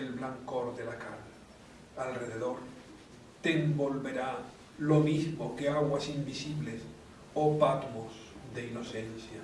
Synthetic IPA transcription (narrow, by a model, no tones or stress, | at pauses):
elβlaŋkoɾðelakal | alreðeðoɾ | t̪embolβeɾa | lomizmokeaɣwasimbisiβles | opat̪wozðeinosensja